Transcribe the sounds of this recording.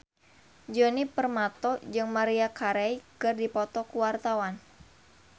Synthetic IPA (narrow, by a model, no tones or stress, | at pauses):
d͡ʒɔnipərmat̪ɔd͡ʒɨŋmaɾiakaɾɛikɨrdipɔt̪ɔkuwart̪awan